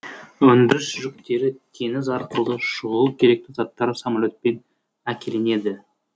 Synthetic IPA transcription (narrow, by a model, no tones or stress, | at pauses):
wɵnd̪ɪɾɪsʒʏk̚t̪e̞ɾɪt̪ʰe̞nɪzɑɾqəlˠd̪əʃʊʁəlˠukʲʰe̞ɾe̞k̚t̪ɪzɑt̪ːɑɾəsɑmalʲo̞t̪̚pe̞n | ækʲʰe̞le̞ne̞d̪ɪ